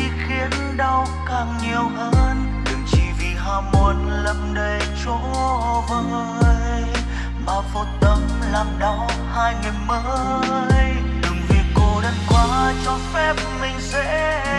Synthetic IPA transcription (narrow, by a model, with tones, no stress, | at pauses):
i˧xi˨˦ən | ɗa˧w | kaː˨˩ŋɲi˨˩əwʔəː˧˦n | ɗɨ˨˩ŋt͡ɕi˧˩vi˨˩ɦaː˧˩mo˨˧˩ən | lə˧˩m̚ɗə˧˩j | t͡ɕo˧˥˧vəː˧˨˧jj | maː˨˩vo˨˩t̚t̪ə˧˦m | laː˨˩mɗa˧˩w | haː˧jmi˨˩məː˧˦ | jj | ɗɨ˨˩ŋvi˨˩ko˧˩ɗə˧˦ŋkwaː˧˦t͡ɕɔ˧fɛ˦˥p̚mï˨˩ŋ̟sɛ̰˧˥